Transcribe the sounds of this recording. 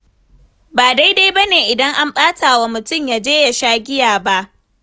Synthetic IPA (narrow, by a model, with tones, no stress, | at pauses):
baː˨da˦jda˦jbɐ˦neː˨ʔɪ˨dɐ˦ŋʔa˦mɓaː˦tʰaː˨wa˨mʊ˨tʊ˦mjaː˨d͡ʒeː˦ja˨ʃaː˦ɡʲɪ˦jaː˨ba˦ʔ